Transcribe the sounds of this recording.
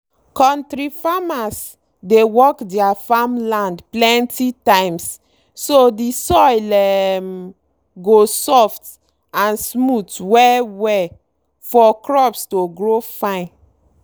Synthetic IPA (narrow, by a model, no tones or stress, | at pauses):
kɔ̃ntɹifamas | dewɔkdiafamlãndplɛ̃ntitãj̃msː | odisɔjlɛm | ɡosɔft | ãnsmutwɛwɛ | fɔkɹɔpstoɡɹofãɪ̃n